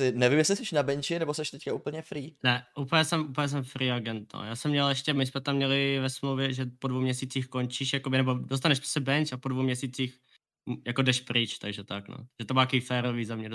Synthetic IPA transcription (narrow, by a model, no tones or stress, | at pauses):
ɪnɛvimjɛslɪsɛʃnabɛnt͡ʃɪnɛbosɛʃt̪ɛckaupl̩ɲɛfɾiːnɛʔupl̩jɛsɛmupl̩jɛs̬ɛmfɾiaɡɛnt̪̚no̰jaːsɛmɲɛlɛʃcɛmɪsmɛt̪amːɲɛlɪvɛsmlowvjɛʒɛpodvowmɲɛsiːt͡siːxkont͡ʃiːʃjakobɪnɛbodos̬t̪anɛʃpɛ̥sɛbɛnt͡ʃapodvowmɲɛsiːt͡six | mjakodɛʃpɾɪt͡ʃt̪aɡʒɛt̪akno̰ʒ̥ɛt̪omaːkoifɛːɾoviːzamɲɛ